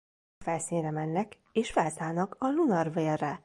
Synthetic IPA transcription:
fɛlsiːnrɛmɛnːɛk | eːʃfɛlsaːlnɒkɒlunɒrveːrːɛ

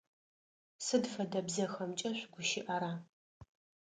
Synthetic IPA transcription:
sɨdfɐdɐbzɐxɐmt͡ʃʼɐɕʷɡʷʊʃɪʔɐɾaː

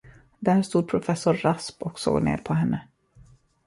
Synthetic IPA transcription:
d̪æːɾʂt̪uːd̪̚pʰɾʊfɛsːʊɾːaspɔkso̰ːɡnḛːɾpʰɔɦɛnːə

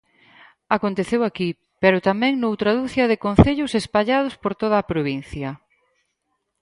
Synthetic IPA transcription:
akont̪eθewaki | pɛɾʊt̪amɛ̃ŋnowt̪ɾaðuθjɐðekon̟θeʎʊsespaʎað̞ʊspoɾt̪oð̞ɐaːpɾoβin̟θjɐ

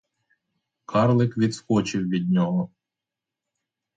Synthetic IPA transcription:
kʰɑɾlˠɪkʋʲid̪sxɔt͡ʃɪwʋʲid̪̚ʲnʲɔɦɔ

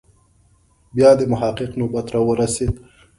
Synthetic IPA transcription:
bjɑd̪əmʊɦɑqɪqnobat̪ɾɑwəɾased̪

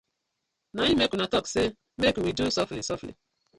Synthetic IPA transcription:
naɲimekunatɔkse | mekwidusɔflḭsɔflḭ

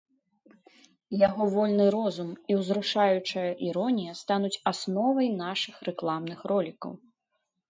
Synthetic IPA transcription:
jaɣɔvɔlʲnɨɾɔzumiwzɾuʂajut͡ʂɐjɐʔiɾɔnʲijɐst̪anut͡sʲasnɔvɐjnaʂɨxrɛklˠamn̪ɨxrɔlʲikɐ̰w

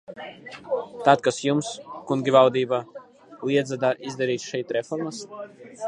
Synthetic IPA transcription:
t̪at̪̚kasjumskuŋɡʲivawd̪iːba | liɛd̪zad̪aɾʔizd̪aɾiːt̪ʃɛjt̪ɾɛfɔɾmas

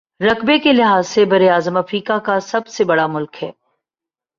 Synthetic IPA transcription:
ɾɐkbekelɪɦaːzsebɐɾeaːzəmɐfɾiːkakasɐbsebɐɽamʊlkɦɛː

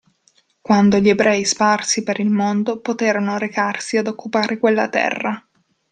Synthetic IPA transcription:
kwand̪oʎiebɾɛisparsipeɾilmond̪opot̪eːɾanoɾekarsiad̪okːupaːɾʔekwelːat̪ɛ̰rːa

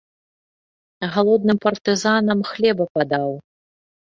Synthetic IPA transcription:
ɣalˠɔd̪̚nɨmpɐrt̪ɨzanɐmxlʲɛbɐpad̪aw

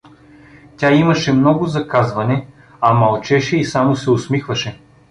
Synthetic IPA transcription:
tʲaimɐʃɛmnɔɡʊzɐkazvɐnɛ | ɐmɐlˠt͡ʃɛʃɛisamosɛosmixvɐʃɛ

